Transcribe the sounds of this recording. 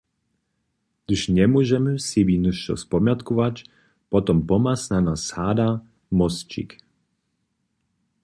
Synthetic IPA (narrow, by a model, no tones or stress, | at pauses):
d̪̥uʃɲɛmuɔʒɛmsibinuʃɔ̰spɔmjat̪kɔvat͡ʃ | pɔt̪ɔmpɔmasnanashaːd̪a | mɔst͡ʃḭk